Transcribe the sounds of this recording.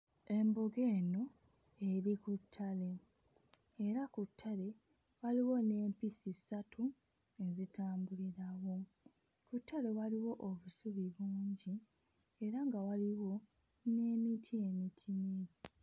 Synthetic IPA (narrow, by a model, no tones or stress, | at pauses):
e̞mbo̞ɡe̞ːno̞ | e̞ɾikutʰːale̞ː | ɾakutʰːale̞ | waliwo̞ne̞ːmpisisatʰu | e̞zitaːmbuliɾawo̞ | kutʰːale̞waliwo̞ʔoβusuβiβuːɲɟi | e̞ɾaŋɡawaliwo̞ | ne̞ːmitʰie̞mitʰine